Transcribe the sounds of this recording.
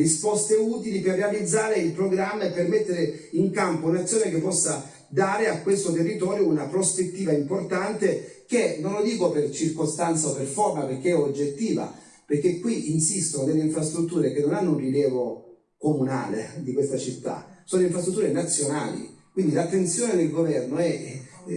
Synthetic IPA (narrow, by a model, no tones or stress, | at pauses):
ɾispɔst̪euːt̪iliperːealid̪zːaːɾeilpɾoɡɾamːaepːermet̪ːeɾe | iŋkampounat̪sːjoːnekepːɔsːa | d̪aːɾeakwest̪ot̪erːit̪ɔːɾjounapɾospet̪ːiːvaimport̪ant̪ek̟enːonlːod̪iːkopert͡ʃirkost̪ant̪saoperformaperk̟ːeɛod͡ʒet̪ːiːva̰ | perk̟ːekwiʔinsist̪ononelːeiɱfɾast̪ɾut̪ːuːɾek̟enːonanːounriljɛːvo | komuna̰ːlḛd̪ikwest̪at͡ʃit̪ːa̰soːnoiɱfɾast̪ɾut̪ːuːɾenat̪sːjona̰ːlḭkwind̪ilat̪ːent̪sjoːned̪elɡovɛrnoɛ